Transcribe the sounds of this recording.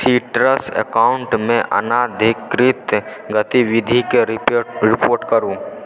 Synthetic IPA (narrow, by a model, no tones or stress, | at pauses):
siːʈɾəsə̰kaːʊɳʈmẽʔɐ̰naːd̪ʱɪkɾɪt̪ɡət̪iʋɪd̪ʱikeɾɪpoːɾʈkəɾũ